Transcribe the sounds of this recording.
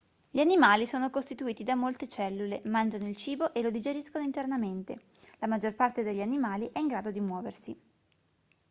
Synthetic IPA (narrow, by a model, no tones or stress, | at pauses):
ʎianimaːlisoːnokost̪it̪uiːt̪id̪amolt̪et͡ʃɛlːulemand͡ʒanoilt͡ʃiːboʔelod̪id͡ʒeɾiskonoint̪ernament̪e | lamad͡ʒorpart̪ed̪eʎːanimaːliʔɛiŋɡɾaːd̪od̪imwɔːversi